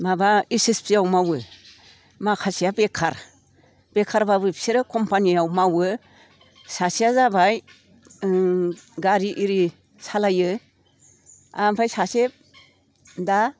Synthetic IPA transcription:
mabaisispʰiawmawɯ | makʰasijabekʰaɾ | b̥ekʰaɾbabɯpsiɾɯkʰɔmpanijawmawɯ | sasijazabaj | ɡaɾiʔiɾi | salajɯ | ampʰajsasep̚ | da

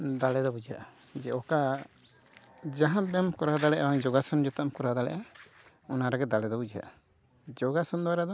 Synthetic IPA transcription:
d̪alɛd̪ɔbud͡ʒaʔad͡ʒɛʔɔka | d͡ʒaɦãbɛmkɔɾad̪alɛʔawaŋd͡ʒɔɡasɔnd͡ʒɔt̪amkɔɾad̪alɛ̰ʔa | ɔnaɾaɡɛd̪alɛd̪ɔbud͡ʒa̰ʔa | d͡ʒɔɡasɔnd̪ɔaɾad̪ɔ

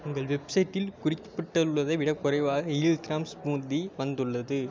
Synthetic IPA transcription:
ʊŋɡɐɭʋɛbsɐjʈːɪlkʊrɪkːɐ̥pːɪʈːɐɯɭːɐðɐʋɪɽɐkːʊɾɐɪʋaːɣɐɪɭɡɾaːmsbuːd̪iʋɐnd̪ɯɭːɐðɯ

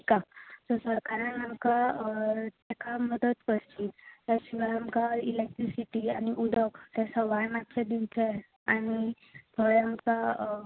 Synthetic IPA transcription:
kasɔsəɾkaɾãnamka | t̪ɛkʰaməd̪ət̪pəɽt͡ɕit̪aɕiʋaamkailek̚ʈɾisiʈianiʔud̪əkt̪ɛsɔʋajmat̪ɕʰed̪int͡sʰe | añi | pəamka

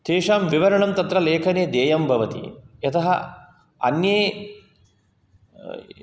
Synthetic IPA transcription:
t̪ʰeːʂaːmʋiʋɐɾɐɳɐmt̪ɐt̪ɾɐleːkʰɐneːd̪eːjɐmbʱɐʋɐt̪ḭjɐt̪ɐɦɐ | ɐ̰njeː

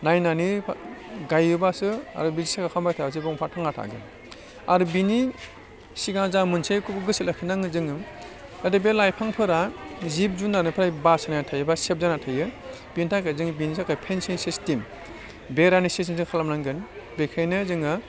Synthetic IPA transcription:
najnani | ɡajɯbasɯa̰ɾɯbizisakʰakʰambajtʰas̬ibɔŋpʰatʰaŋatʰa̰ɡɯn | a̰ɾɯbini | siɡazamɯnsejkʰukɡɯsilakʰinaŋɯzɯŋɯadebelajpʰaŋpʰɯɾazip̚zunanɯpʰɾajbasanajatʰajɯbasep̚zanatʰajɯ | b̥intʰakʰazɯŋbinisakʰajpʰensinsistim | beɾanisis̬inzɯŋkʰalamnaŋɡɯnbekʰajnɯzɯŋɯ

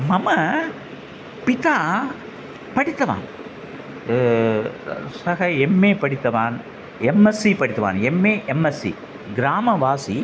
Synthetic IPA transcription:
mɐmɐ | pɪt̪aː | pɐɽɪt̪ːɐʋa̰ːn | sɐɣɐɛmːeːpɐɽɪt̪ːɐʋaːn | ɛmːɐsːipɐɽɪt̪ːɐʋa̰ːnɛmːeːʔɛmːɐsḭ | ɡɪɾaːmɐʋaːsi

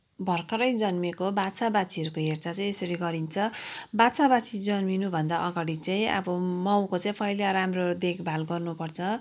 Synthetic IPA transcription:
bʱʌrkʌɾʌjd͡zʌnmikobat͡sabat͡sʰiʌɾukoɦert͡sat͡saj̃esʌɾiɡʌɾint͡sʰʌbat͡sabat͡sʰid͡zʌnminubʱʌnd̪aʔʌɡaɽit͡saj̃ĩʌ̰bʌmʌw̃kot͡saĩpʰʌjlaɾamrod̪ekʰbʱalɡʌrnupʌrt͡sʰʌ

